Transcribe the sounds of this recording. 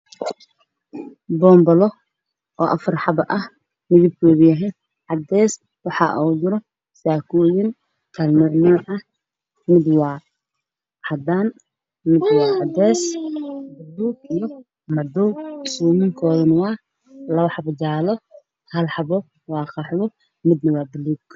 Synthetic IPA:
bɔːmbɐlɔ | ɔːʔɐ̰fɐrħɑbɐʔɐh | mɪðɪb̚kʰɔːβjɐɦɛj | ħɑd̪ɛːs | wɑħɑ̰ːʔuːd̪ɪɾɔ | saːkʰuːjɪŋ | kʰɐlmɛʕnaːʔɐh | mɪd̪wɑː | ħɑd̪aːn | mɪd̪wɑːħɑd̪ɛːsbɪluːɡijɔ | mɐd̪ɔwsuːmɪŋkʰɔːðɐnwɑː | lɐβɐħɑbɐd͡ʒaːlɔ | hɐlħɑβɔ | wɑːqɑħwɔ | mɪd̪nɐwɑːbɪluːɡ

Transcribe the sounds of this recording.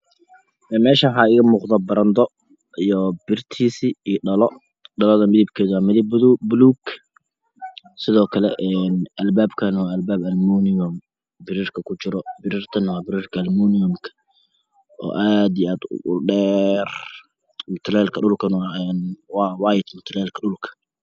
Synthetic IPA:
ʔɛːmɛːʃɐħaːɪɣɐmuːqd̪ɐbɐɾɐnd̪ɔ | ijɔbɪrt̪ʰiːsiːiɖɐlɔ | ɖɐlɔðɐmɪðɪb̚kʰɛːðʊwamɪðɪbðubluːɡ | sɪðɔːkʰɐlɛʔɛnʔɐlbaːbkʰɐnwaɐlbaːbɐlmunɪɔm | bɪɾiːrkʰɐkʰʊt͡ʃɪɾɔbɪɾiːrt̪ʰɐnwɑːbɪɾiːrkʰɐlmuːnɪjɔmkʰɐ̥ | ʔɔ̰ːʔaːd̪ɪaːd̪ʊɖɛːr | mʊt̪ʰlɛːlkʰɐɗʊlkʰɐnwɛnwɑːwɑːjɪd̪mʊt̪ʰlɛːlkʰɐɗʊlkʰɐ̥

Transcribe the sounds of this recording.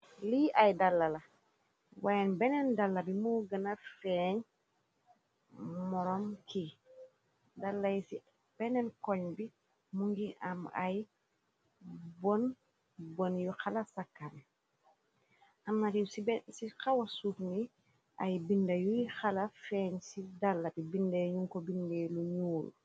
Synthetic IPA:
liʔajdalːala | wajanbɛnɛndalːabimuːɡɐnafɛɲ | mɔɾomkʰi | dalːajisi | b̥ɛnenkoɲbi | muŋɡiʔama̰j | bɔn | bɔnjuxalasakːan | ʔamnatisbsixawasuːfni | ajbindɐjujixalafɛːɲsidalːatibindejɲuŋkobindejluɲuːl

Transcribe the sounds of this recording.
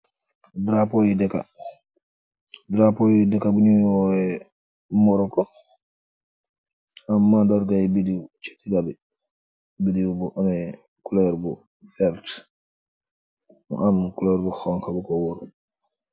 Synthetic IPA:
dɾapojidɛka̰ | dɾapojidɛkːabuniɔɛ | mɔɾɔkɔ | amːadaɾɡajbidiut͡ʃe̥tːiɡabɛ | bidiubuʔamɛ | kulɛɾbu | fɛlt | mɔ̰ʔamkulɛɾbuxɔŋkabukɔwoɾu

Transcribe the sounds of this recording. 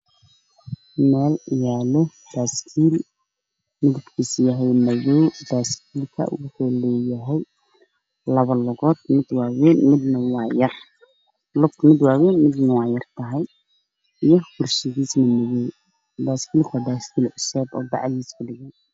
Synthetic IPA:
mɛːlɪjaːlɔ | d̪̥aːskʰiːl | mɪðɪbkʰiːsjɐɦɛjmɐjɔwd̪aːskʰiːlkʰɐ̰ʔʊ̰wʊħɔːlɔːjɐɦɛj | lɐβɐlʊɣɔːd̪̚mɪd̪wɑːwɛːnmɪd̪nɐwɑːjɐr | lʊkt̪ʰmɪd̪wɑːwɛːnmɪd̪nɐwɑːjɐrt̪ʰɐɦɛj | ijɔɡʊrsɪɣiːsnɐmɐjɔw | d̪aːskʰiːlkʰʊwaːd̪aːskʰiːlʕʊsɛːbɔ̰ːbɑ̰ʕliːskʰʊɖɪɣɛj

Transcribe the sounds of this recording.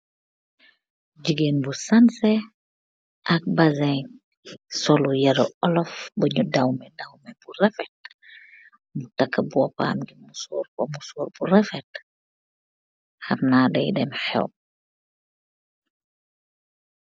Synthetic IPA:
d͡ʒiɡenbusansɛ | ʔɐk̚bazɛn | sɔlujɐɾɔɔlɔfbəɲudawmɛdawmɛburɛfɛt̚ | mutakːəbuɔpa̰ːmɡimusoːɾkɔmusoːrburɛfɛt | harnadɛ̰jdɛmħɛ̰w̚

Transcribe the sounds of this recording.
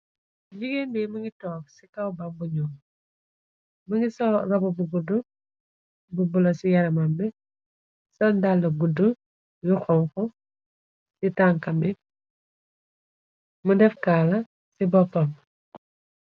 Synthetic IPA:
ɟiɡenbɛmuŋɡitɔːksikɐwbɐmbuɲɔːm | mɐŋɡisɔrɐbubuɡudu | bubulɐsijɐɾɐmɐmbɛ | sɐndalːɐɡudːu | juxɔŋkɔ | sitaŋkɐmɛ | mudɛfkaːlɐ | sibɔpːɐm

